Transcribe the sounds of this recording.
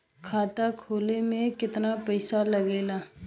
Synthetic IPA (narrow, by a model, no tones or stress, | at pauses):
kʰaːt̪akʰoːlemẽkɪt̪napɛɪsalɐɡeːlaː